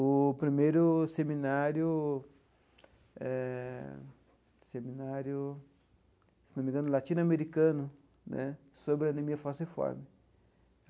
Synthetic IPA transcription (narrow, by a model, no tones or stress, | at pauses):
ʊpɾimejɾʊsemĩnaɾjʊ | ɛ | semĩnaɾjʊ | se̥nomẽŋɡɐ̃nʊlat̪inameɾikɐ̃nʊ | nɛ̰ | sobɾeenemiɐfasefɔ̰ɾmɪ